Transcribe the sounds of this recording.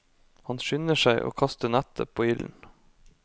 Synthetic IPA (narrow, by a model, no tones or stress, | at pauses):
hɑnʃʏnəʃæɪʔo̰ːkʰɑst̪əɳæt̪əpʰoːɪln̩